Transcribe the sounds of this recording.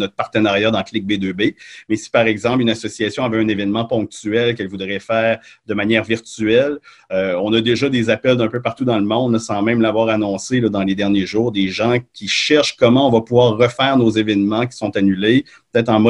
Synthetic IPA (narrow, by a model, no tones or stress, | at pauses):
nɔt̪̚paʁt̪ənaʁjad̪ɑ̃klɪk̚bed̪øbemɛsi̥paʁɛɡzɑ̃plynasɔsiasjɔ̃avɛɛ̃nevɛnmɑ̃pɔ̃k̚t̪yɛlkɛlvud̪ʁɛfɛːʁd̪əmanjɛːʁviʁt̪yɛl | øɔ̃nad̪eʒʌd̪ezapɛld̪ɛ̃pøpaʁt̪ud̪ɑ̃ləmɔ̃d̪ləsɑ̃mɛ̃mlavwaːʁanɔ̃selʌd̪ɑ̃led̪ɛʁnjeʒuːʁd̪eʒɑ̃kʲiʃɛʁʃkɔmɑ̃ɔ̃vapuvwaːʁːəfɛːʁnozevɛnmɑ̃k̬ʲi̥sɔ̃t̪anyleppət̪ɛːt̪χɑ̃mɔ